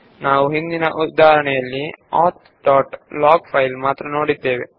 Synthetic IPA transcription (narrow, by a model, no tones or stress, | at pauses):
naːʋuɦind̪inɐʔud̪aːɐɾɐɳɛjɐlːiaːt̪ | ɖaːʈlaːɡpʰɐjlmaːt̪ɾɐno̞ːɽid̪ːe̞ːʋe